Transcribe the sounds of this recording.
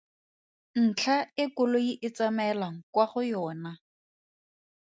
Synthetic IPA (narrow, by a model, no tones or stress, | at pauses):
n̩t͡ɬʰaɪkʊloiʔɪt͡samɛlaŋ̩kwaχʊjɔːna